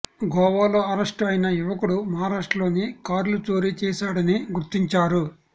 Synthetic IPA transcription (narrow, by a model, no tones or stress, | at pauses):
ɡɔːʋaːlo̞ːɐɾɐʂʈɐjnɐjuʋɐkuɽumɐɦaːɾaːʂʈɐlo̞ːnikaːɾlut͡ʃo̞ːɾit͡ʃɛːsaːɽɐniɡuɾt̪ːiɲt͡ʃaːɾu